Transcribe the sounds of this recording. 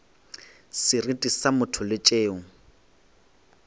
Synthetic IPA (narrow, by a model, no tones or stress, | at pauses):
sɪritʼisamʊtʰʊlɪt͡ʃʼeːŋ̩